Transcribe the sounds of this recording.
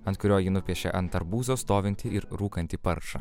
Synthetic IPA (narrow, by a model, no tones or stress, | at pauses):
ɐnt̪kʊɾʲoːjinʊpʲiɛʃʲḛʔɐnt̪ɐɾbuːzoːst̪oːʋʲɪnʲt̪ʲɪɪɾɾuːkɐnʲt̪ʲiːpɐɾʃɐ̰